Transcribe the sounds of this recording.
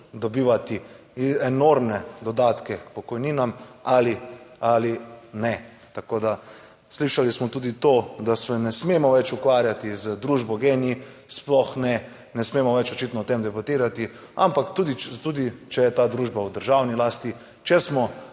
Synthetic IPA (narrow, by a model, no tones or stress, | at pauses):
d̪ɔbiːʋat̪i | ɛnoɾmnɛd̪ɔd̪aːt̪kɛkpɔkɔjniːnamalialinɛ | t̪akoːd̪a | sliʃalismɔt̪uːd̪it̪od̪asʋɛnɛsmemɔʋɛt͡ʃukʋaːɾjat̪izəd̪ɾuːʒbɔɡeːnii | splɔxnɛ | nɛsmeːmɔʋɛt͡ʃɔt͡ʃit̪nɔt̪emd̪ɛbat̪iːɾat̪i | a̰mpakt̪uːd̪it̪uːd̪it͡ʃɛjɛt̪aːd̪ɾuːʒbawd̪əɾʒawnilaːst̪i | t͡ʃɛsmɔ